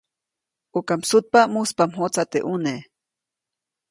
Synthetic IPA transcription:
ukamsut̪̚pamuspamɦot͡sat̪ḛʔune

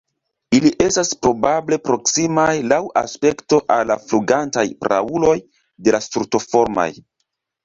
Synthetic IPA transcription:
iliʔe̞staspɾo̞bable̞pɾo̞ksimajlawʔa̰spe̞kto̞ʔalːafluɡantajpɾʔa̰ulo̞j | de̞lastɾuto̞fo̞ɾma̰j

